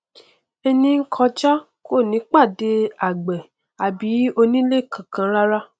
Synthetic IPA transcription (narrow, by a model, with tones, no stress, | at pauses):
ɛ˧nĩ˧ŋ̩˦kʰɔ˧d͡ʒa˦ | ko˦˨nĩ˨˦k͡pa˦˨de˧a˨ɡ͡bɛ˨ | a˨bi˨˦o˧nĩ˦le˦˨kʰã˨kã˧ɾa˦ɾa˦